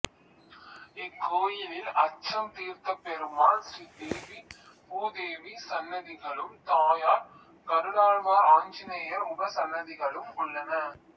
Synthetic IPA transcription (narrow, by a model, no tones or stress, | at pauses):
ɛkːoːjɪlɪlɐt͡ʃːɐmt̪iːɾt̪ɐpɛɾɯmaːnsɾiːd̪eːʋi | poːd̪eːʋisɐnːɐðɪɣɐɭɯmt̪aːjaːɾ | kɐɾɯɽaːɭʋɐaːɲd͡ʒɪneːjɐɾʊbɐsɐnːɐðɪɣɐɭɯmʊɭːɐnɐ